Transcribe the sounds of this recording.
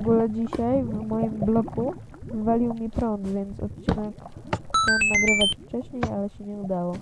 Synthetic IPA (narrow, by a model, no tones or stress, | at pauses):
ɡulɛd͡ʑiɕajvmɔjimblɔku | zvalʲiwmʲipɾɔnt̪vʲjɛnt̪sɔ̰t̪̚t͡ɕinɛkxt͡ɕawnmnaɡɾɘvat͡ɕft͡ʂɛɕɲejalɛɕɛɲɛud̪awɔ